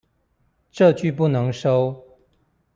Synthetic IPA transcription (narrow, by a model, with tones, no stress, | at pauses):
ʈ͡ʂɤ˥˧t͡ɕy˥˧pu˥˩nɤ˧˦ŋʂo˦˥ʊ